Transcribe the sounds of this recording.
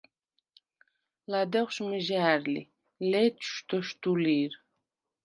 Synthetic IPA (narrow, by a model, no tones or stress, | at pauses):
lad̪ɛχʷʃməʒæːɾlḭ | lɛtʰʃt̪ʰɔʃt̪uliɾ